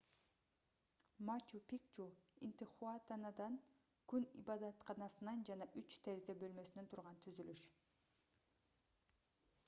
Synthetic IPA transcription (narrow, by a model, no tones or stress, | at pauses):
mat͡ʃupʲik̚t͡ʃuḭnt̪ɪχuɑt̪ɑnɑd̪ɑn | kʉnḭbɑd̪ɑt̪qʰɑnɑsɯnɑnd͡ʒɑnɑʔyt͡ʃt̪ʰeɾzebø̞lmø̞sine̞nt̪ʰuɾʁɑnt̪ʰyzylyʃ